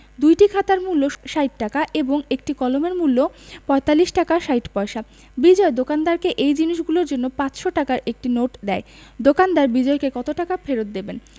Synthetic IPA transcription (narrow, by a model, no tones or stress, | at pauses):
d̪ujʈikʰat̪aɾmulːoʃajʈ̚ʈakaʔeboŋek̚ʈikɔlomeɾmulːopɔet̪alːiʃʈakaʃajʈpɔeʃa | bid͡ʑɔed̪okand̪aɾkeʔejd͡ʑiniʃɡuloɾd͡ʑonːopãt͡ɕʃoʈakaɾʔek̚ʈinoʈd̪ɛe | d̪okand̪aɾbid͡ʑɔekekɔt̪oʈakafeɾot̪̚d̪eben